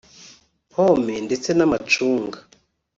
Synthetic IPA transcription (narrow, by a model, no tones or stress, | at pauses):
pʰomendet͡senamat͡ʃuːŋɡa